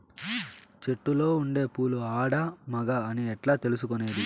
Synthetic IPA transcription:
t͡ʃe̞ʈːulo̞ːuɳɖe̞ːpuːluaːɽɐmɐɡɐɐniɛʈlaːt̪elus̬ukone̞ːd̪i

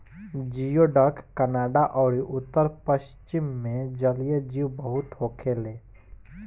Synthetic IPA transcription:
d͡ʒijoɖəkkənaːɖaʔɔːɾiʔʊt̪ːəɾpəʃt͡ʃɪmːẽd͡ʒəlijəd͡ʒiːʋbəɦʊt̪ɦoːkʰeːleː

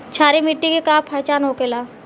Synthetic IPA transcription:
t͡ʃʰaːɾemiʈːikekaːpʰaːt͡ʃaːnɦokelaː

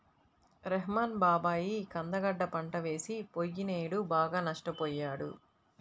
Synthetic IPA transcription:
ɾeɦmaːnbaːbaːjikɐnd̪ɐɡɐɖːɐpɐɳʈɐʋe̞ːsipojːineːɽubaːɡaːnɐʂʈɐpɔːjːaːɽṵ

